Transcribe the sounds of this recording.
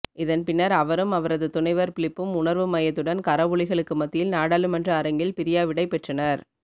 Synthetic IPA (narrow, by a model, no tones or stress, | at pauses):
ɪðɐnpɪnːɐɾɐʋɐɾɯmɐʋɐɾɐðɯt̪ʊɳɐɪʋɐɾpɪɭɪpːɯmʊɳɐɾʋɯmɐjɐt̪ːɯɽɐnkɐɾɐʋʊɭɪɣɐɭɯkːɯmɐt̪ːɪjɪlnaːɽaːlɯmɐndrɐːɾɐŋɡɪlpɪɾɪjaːʋɪɽɐɪpːɛʈrɐnɐɾ